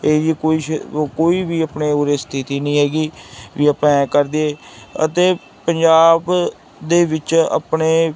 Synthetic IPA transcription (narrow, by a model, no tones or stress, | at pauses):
eːd͡ʒiːkoːiːkoːiːʋiːəpneːoːɾeːst̪ʰɪt̪iːnĩːɦɛːɡiːʋiːəpãːkəɾd̪eeːə̰t̪eː | pəɲd͡ʒaːb | d̪eːʋɪt͡ʃa̰pneː